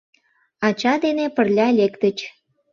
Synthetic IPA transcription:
ɑt͡ɕɑd̪enepə̆rlʲɑlʲekt̪ət͡ɕ

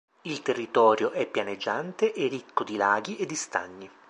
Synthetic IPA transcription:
ilt̪erːit̪ɔːɾjoʔɛpːjaned͡ʒːant̪eʔerikːod̪ilaːɡiʔed̪ːist̪a̰ɲːi

